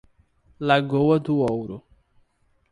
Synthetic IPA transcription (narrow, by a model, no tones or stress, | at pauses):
laɡowɐd̪ʊowɾʊ